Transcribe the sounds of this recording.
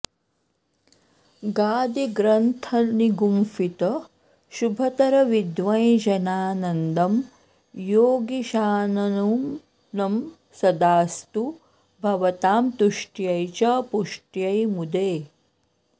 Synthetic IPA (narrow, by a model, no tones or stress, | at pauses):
ɡaːd̪iɡɾɐnt̪ʰɐniɡumfit̪ɐ | ʃubʱɐt̪ɐɾɐʋid̪ʋɐ̃j̃d͡ʒɐnaːnɐnd̪ɐm | joːɡiʃaːnɐnum | nɐm | sɐd̪aːst̪u | bʱɐʋɐt̪aːmt̪uʂʈjɐjt͡ɕapuʂʈjɐjmud̪eː